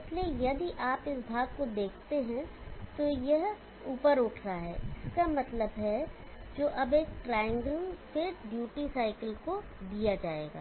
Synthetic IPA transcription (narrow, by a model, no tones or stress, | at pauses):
ɪsleːjɐd̪iʔaːpɪsbʱaːɡ̚kod̪eːkʰt̪eɦɛ̃t̪ojɐɦ | uːpəɾʊʈʰɾaɦɛɪskamɐt̪ləbɦɛ | d͡ʒoːʔɐbeːk̚ʈɾaːɪjə̃ŋɡəlfʰɪɾɖjuːʈisaːɪkəlko | d̪ijad͡ʒaːḛːɡa̰ː